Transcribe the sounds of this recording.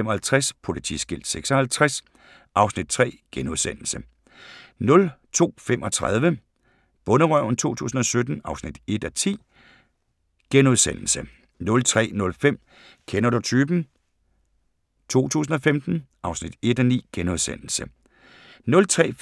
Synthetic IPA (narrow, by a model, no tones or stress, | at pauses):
emɒ̽hælt͡sʰʁaspʰo̝lit͡sʰḭsɡ̥il̰d̥seɡ̥sɒhælt͡sʰʁas | ʔɑ̈ʊsnid̥̚t͡sʰʁɛ̰ːɡ̥enuðˠsen̰l̩sə | nɔ̽lt͡sʰo̝̰ːfem̰ʔɒ̽t͡sʰʁa̰ð̞ˠʋə | b̥ɔ̽nəʁœʊn̩t͡sʰo̝̰ːt͡sʰṵːsn̩ɒ̽sød̥n̩ɑ̈ʊsnid̥e̝d̥ɒt͡sʰḭː | ɡ̥enuð̞ˠsen̰l̩sə | nɔ̽lt͡sʰʁɛ̰ːnɔ̽lfem̰ | kʰenɐɾ̥ut͡sʰyːb̥n̩ | t͡sʰo̝̰ːt͡sʰṵːs̬n̩ɒ̽femd̥n̩ʔɑ̈ʊsnid̥e̝d̥ɒnḭːɡ̥enuð̞ˠsen̰l̩sə | nɔ̽lt͡sʰʁɛ̰ː